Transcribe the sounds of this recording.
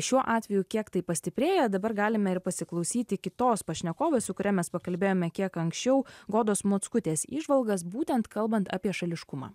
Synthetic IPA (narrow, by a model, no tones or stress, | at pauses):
ʃʲuɔʔɑːt̪ʲʋʲɛjukʲiɛkt̪ɐɪpɐsʲt̪ʲɪpʲɾʲeːjɛd̪ɐbɐɾɡɑːlʲɪmʲɛɪɾpɐsʲɪklˠɒʊsʲiːt̪ʲɪkʲɪt̪oːspɐʃʲnʲɛkoːʋʲeːsʊkʊɾʲɛmʲɛspɐkɐlʲbʲeːjoːmʲɛkʲiɛkɐŋksʲt͡ʃʲɛʊɡoːd̪oːsmoːt̪skʊt̪ʲeːsḭːʒʋɐlˠɡɐsbuːt̪ʲɛnt̪kʰɐlˠbɐnt̪ɑ̰ːpʲiɛʃɐlʲɪʃkʊmɑ̰ː